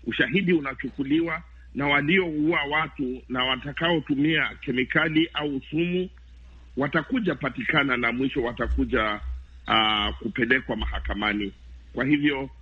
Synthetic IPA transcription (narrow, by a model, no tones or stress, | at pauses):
uʃaɦiɗiunat͡ʃukuliwa | nawaliɔuawatunawatakaɔtumiakɛmikaliʔausumu | watakuʄapatikananamwiʃɔwatakuʄa | kupɛlɛkwamaɦakamani | kwahivjɔ